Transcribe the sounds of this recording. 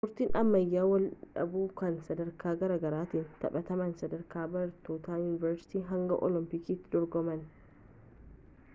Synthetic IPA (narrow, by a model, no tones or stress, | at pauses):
mʊɾt̪iːnʔɐmːɐjːaːwɐlᶑɐ̰buːkɐnsɐd̪ɐɾkʰaːɡɐɾaːɡɐɾaːt̪iːnt̪ɐ̰ɓɐt̪ɐmɐnsɐd̪ɐɾkʰaːbɐɾt̪oːt̪aːjuːnɪvɐɾsɪ̥t̪iːɦɐŋɡɐʔɔ̰lɪmpɪkiːt̪ːɪd̪ɔɾɡɔmɐn